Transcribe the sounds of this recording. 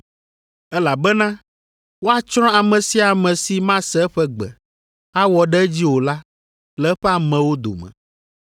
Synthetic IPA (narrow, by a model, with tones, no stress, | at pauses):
ɛ˦la˨bɛ˦nã˦ | wo˦a˦t͡ʃɾ̃ɔ̃˦a˨mɛ̃˨si˦a˨mɛ̃˨si˦mã˦sɛ˦ɸɛ˦ɡ͡bɛ̰˨ | a˦wɔ˨ɖɛ˦d͡ʑi˦wo˨la˦ | lɛ˨˦ɸɛ˦a˨mɛ̃˨wo˦d̪o̰˨mɛ̰̃˨